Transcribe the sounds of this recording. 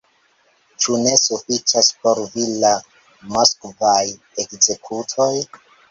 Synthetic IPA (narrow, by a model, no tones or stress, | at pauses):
t͡ʃune̞sufit͡ʃaspo̞ɾvila | moskvaj | ekze̞kʰutʰo̞j